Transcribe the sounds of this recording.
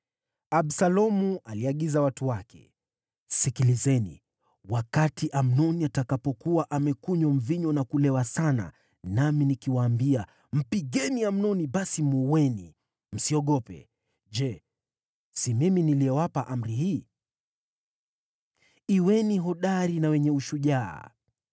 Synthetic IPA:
aɓsalɔmuʔaliaɠizawatuwakɛ̰ | sikilizɛnḭ | wakatiʔam̩nɔniatakapɔkuwaʔamɛkuɲam̩viɲɔnakulɛwasana̰ | naminikiwaːmbia | m̩piɠɛniam̩nɔniɓasimuwɛnḭ | m̩siɔɠɔpɛ̰ | d͡ʒɛ | simiminiliɛwapaʔam̩ɾihiː | iwɛniɦɔɗaɾinawɛɲɛuʃuʄa̰ː

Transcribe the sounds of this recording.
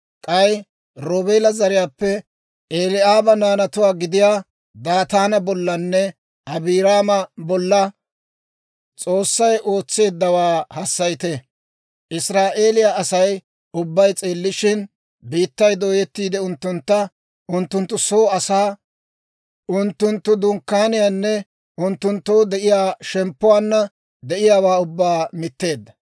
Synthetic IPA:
kʼɐj | ɾoːbe̞ːlɐzɐɾɪjaːpːɛ | eːlɪaːbɐnaːnɐt̪ʊwaːɡɪd̪ɪjaː | d̪aːt̪aːnɐbɔlːɐnːɛ | ʔɐbiːɾaːmɐbɔlːɐ | t͡sʼo̞ːsːɐjʔo̞ːt͡sːe̞ːd̪ːɐwaːhɐsːɐjɪt̪ɛ | ʔɪsɾaːʔe̞ːlɪjaʔɐsɐj | ʊbːɐjt͡sʼeːlːɪʃɪn | biːt̪ːɐjd̪o̞ːjɛt̪ːiːd̪ɛʊnt̪ːʊnt̪ːɐ | ʊnt̪ːʊnt̪ːʊsoːɐsaː | ʊnt̪ːʊnt̪ːʊd̪ʊŋkːaːnɪjaːnːɛ | ʊnt̪ːʊnt̪ːowd̪ɛʔɪjaːʃɛmpːʊwaːnːɐ | d̪ɛʔɪjaːwaːʊbːaːmɪt̪ːe̞ːd̪ːɐ̥

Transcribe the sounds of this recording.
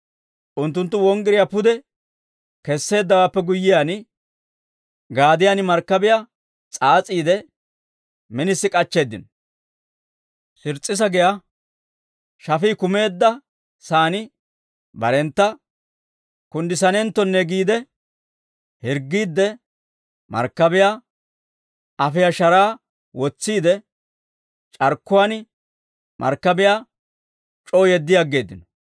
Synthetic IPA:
ʔʊnt̪ːʊnt̪̬ːʊwɔŋɡɪɾɪjapʊd̪ɛ | kɛsːe̞ːd̪ːɐwaːpːɛɡʊjːɪjaːnɪ | ɡaːd̪ɪjanɪmɐɾkːɐbɪja | t͡sʼaːt͡sʼiːd̪ɛ | mɛnɪsːɪkʼɐt͡ʃːe̞ːd̪ːɪn | sɪɾt͡sʼːɪs̬ɐɡɛja | ʃɐfiːkʊme̞ːd̪ːɐ | saːnɪ | bɐɾɛnt̪ːɐ | kʊnd̪ɪsɐnɛnt̪ːɔnːɛɡiːd̪ɛ | hɪɾɡːiːd̪ːɛ | mɐ̰ɾkːɐbɪjaː | ɐfɪjaʃɐɾaː | wɔt͡sːiːd̪ɛ | t͡ʃʼɐɾkːʊwanɪ | mʔɐ̰ɾkːɐbɪjaː | t͡ʃʼoːjɛd̪ːɪjaɡːe̞ːd̪ːɪnɔ̥

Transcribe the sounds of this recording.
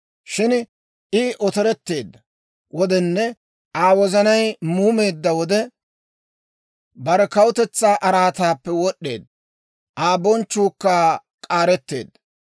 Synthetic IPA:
ʃɪn | ʔɪʔɔt̪ɛɾɛt̪ːe̞ːd̪ːɐ | wɔd̪ɛnːɛ | ʔaːwɔzɐnɐjmuːme̞ːd̪ːɐwɔd̪ɛ | bɐɾɛkɐwʊt̪ɛt͡sːaːʔɐɾaːt̪aːpːɛwɔɗːe̞̰ːd̪ːɐ | ʔaːbɔnt͡ʃːuːkːaː | kʼaːɾɛt̪ːe̞̰ːd̪ːɐ

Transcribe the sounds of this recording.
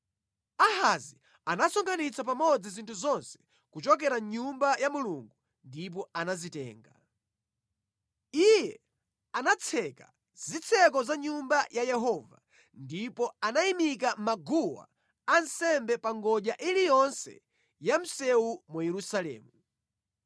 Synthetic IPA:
ahazi | anasɔŋkʰanit͡sʰap̬amɔd͡zizintʰuzɔnsɛ̥ | kut͡ʃɔk̬ɛɾaɲumbajamuluŋɡu | ndip̬ɔanazitɛ̰ːŋɡa | ijɛ | anat͡sʰɛka | z̥it͡sʰɛk̬ɔzaɲumbajajɛɦɔva̰ | ndipɔanaimik̬amaɡuwa̰ | ansɛmbɛpaŋɡɔʄaʔilijɔnsɛ̰ | jam̩sɛumujɛɾusalɛ̰ːmu

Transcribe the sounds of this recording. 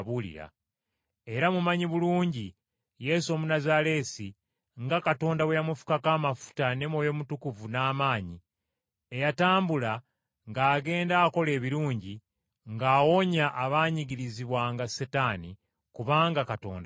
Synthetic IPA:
βulḭɾa̰ | e̞ɾamumaɲiβuluːɲɟi | je̞so̞munazale̞si | ŋɡakato̞ːndawejamufu̥kakaːmafu̥tane̞mwo̞ːjo̞mutukuvunaːmaːɲi | e̞jataːmbula | ŋɡaːɡe̞ːndaːko̞le̞ːβiɾuːɲɟi | ŋɡaːwo̞ɲaʔːβaːɲiɡiɾiziβwaːŋɡasetani | kuβaːŋɡakato̞̰ːnda

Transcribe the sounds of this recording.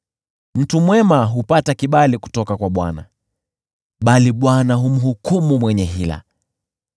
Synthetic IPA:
m̩tumwɛmaɦupatakiɓaliku̥tɔkakwaɓwana̰ | ɓaliɓwanaɦum̩ɦukumumwɛɲɛɦila̰

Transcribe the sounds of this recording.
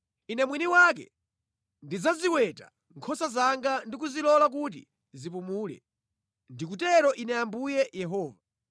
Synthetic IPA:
inɛmwiniwak̬ɛ̰ | ndizaziwɛta | ŋkʰɔsazaŋɡandik̬uzilɔlak̬ut̬ḭ | zip̬umuːlɛ̰ | ndik̬utɛɾɔʔinɛambujɛjɛɦɔːva

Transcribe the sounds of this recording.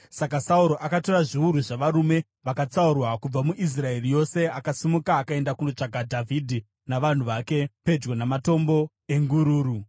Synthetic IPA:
sakasauɾo̞ʔakato̞raʐiuɾuʐaʋaɾume̞ | ʋakat͡saurwakub͡vamuʔis̬rae̞rijo̞se̞akasimukaːkae̞ndakuno̞t͡ʂaɡʱadʱavʱidʱi | naʋan̤uʋake̞pe̞d͡ʒɡonamato̞mbo̞ | e̞ŋɡuɾuːɾu

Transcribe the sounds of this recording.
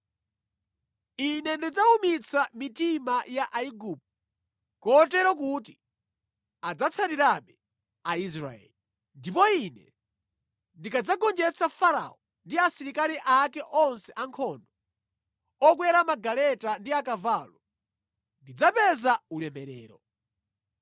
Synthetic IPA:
inɛndid͡zaumit͡samitimajaʔaiɡup̚ | kɔtɛɾɔk̬uːti | ad͡zat͡sʰatiɾaɓɛ | ais̬ɾa̰ɛ̰ːli | ndipɔinɛ̰ | ndikʰad͡zaɡɔnd͡ʒɛt͡sʰafaɾa̰ɔ | ndiasiɾikaɾiʔakɛʔɔnsɛʔaŋkʰɔndɔ | ɔk̬wɛɾamaɡalɛtandiakavalɔ | ndid͡zapɛzaulɛmɛɾɛ̰ːɾɔ̰

